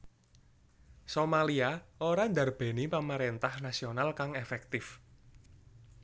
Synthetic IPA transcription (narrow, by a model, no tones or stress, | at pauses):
somaliaoɾand̪a̤rb̥e̤nipamaɾent̪ahnasionalkaŋefɛk̚t̪ɪf